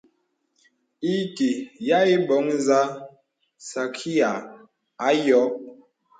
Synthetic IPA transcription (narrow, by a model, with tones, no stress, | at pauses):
i˦ki˨ja˦i˦bɔ˨˦ŋ˦za˦ | sa˨kʰi˦a˨ | a˨˦jɔ˨˦